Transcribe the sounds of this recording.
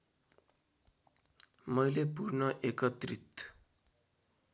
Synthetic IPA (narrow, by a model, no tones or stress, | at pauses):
mʌjlepurnʌʔekʌt̪rit̪